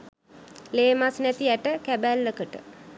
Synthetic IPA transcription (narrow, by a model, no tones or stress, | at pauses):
leːmasnæt̪iæʈəkæbælːəkəʈə̰